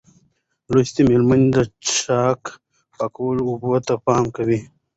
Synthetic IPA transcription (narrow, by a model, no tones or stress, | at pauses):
lost̪imelmand̪əɑk | pakawəlubut̪apɑːmkawi